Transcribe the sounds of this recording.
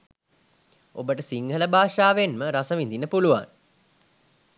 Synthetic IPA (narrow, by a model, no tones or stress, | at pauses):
o̰bəʈəsiŋɡʱələbʱaːʂaːʋenməɾasəʋind̪inːəpuluʋa̰ŋ